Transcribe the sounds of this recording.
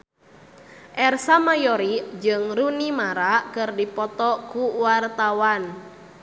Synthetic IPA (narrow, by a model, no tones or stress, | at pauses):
ʔɛrsamajɔɾid͡ʒɨŋɾunimaɾakɨrdipɔt̪ɔkuwart̪awan